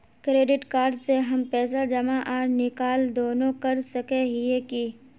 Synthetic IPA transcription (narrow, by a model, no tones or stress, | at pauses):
kɾeːɖɪʈkaːɾɖseɦɐmpɛːs̬ad͡ʒɐmaʔaːɾnɪkaːld̪oːnõkɐɾsɐkeɦieki